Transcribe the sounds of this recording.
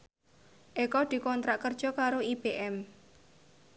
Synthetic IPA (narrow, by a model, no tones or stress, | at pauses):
ʔekɔd̪̥i̤kɔnt̪ɾaʔkərd̥ʒ̥ɔ̤kaɾoib̥eʔɛm